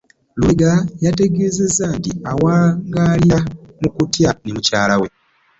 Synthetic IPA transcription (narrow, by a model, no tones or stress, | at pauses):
lweɡajate̞ɡeːze̞zːantiawaːŋɡaljamukutjanimucaːlawe̞